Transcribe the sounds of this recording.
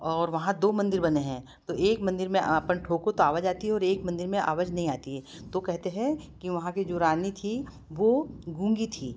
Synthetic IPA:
ɔːɾʋɐɦãd̪oːmɐ̃nd̪ɪɾbɐneɦɛ̃ː | t̪oʔeːkmɐ̃nd̪ɪɾmẽʔɐpənʈʰoːkot̪oaːʋəd͡ʒaːt̪iɦɛɔːɾeːkmɐ̃nd̪ɪɾmẽʔa̰ːʋəd͡ʒnɐɦĩaːt̪iɦɛːt̪okɛɦt̪eɦɛ̃kiʋɐɦãked͡ʒoːɾaːnit̪ʰi | ʋoɡũːŋɡit̪ʰiː

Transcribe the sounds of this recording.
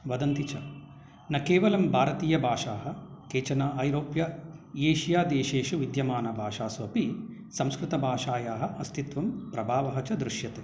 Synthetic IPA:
ʋɐd̪ɐnt̪it͡ʃɐ | nɐkeːʋɐlɐmbʱaːɾɐt̪iːjɐbʱaːʂaːɦɐ̆keːt͡ʃɐnaːʔɐjɾoːpjɐeːʃijaːd̪eːʃeːʃuʋid̪jɐmaːnɐbʱaːʂaːsuɐpi | sɐmskɾɪt̪ɐbʱaːʂaːjaːɦɐʔɐst̪ʰit̪ʋɐmpɾɐbʱaːʋɐɦɐt͡ʃɐd̪ɾuʃjɐt̪eː

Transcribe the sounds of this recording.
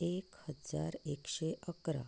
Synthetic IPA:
ekhəd͡za̰ɾekʃeʔəkɾa̰

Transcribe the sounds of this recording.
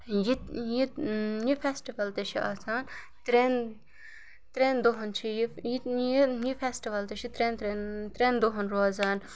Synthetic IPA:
jijijifʰesʈiʋɐlt̪eʃʰiʔaːsaːn | t̪ɾeːn | t̪ɾeːnd̪oɦɐnt͡ʃʰijijijijifʰesʈiʋɐlt̪eʃʰit̪ɾeːnt̪ɾent̪ɾeːnd̪oɦɐnɾoːzaːn

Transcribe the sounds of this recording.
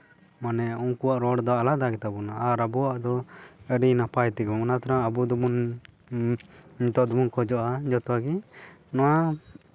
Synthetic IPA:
manɛuŋkuwaʔɾɔɽd̪ɔalad̪aɡɛt̪abɔnaʔaɾabuwaʔd̪ɔəɾinapajt̪ɛɡɔɔnat̪ʰaɾaŋabud̪ɔmun | it̪ɔʔd̪ɔmunkɔd͡ʒɔʔad͡ʒɔt̪ɔaɡinɔwa

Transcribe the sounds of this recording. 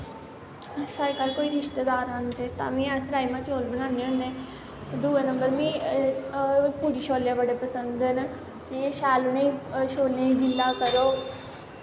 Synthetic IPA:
səɾkaːɾkoːiːɾɪʃt̪ed̪aːɾãnt̪eːt̪ã̰ːmĩːəsɾaːimãːt͡ʃoːlbənãːneɦʊnːeː | d̪uːenəmbəɾmĩː | puːɾiːʃoːljãːbəɽeːpəsənd̪ən | mĩʃaːlʊnẽiʃoːljãid͡ʒɪlːaːkəɾoː

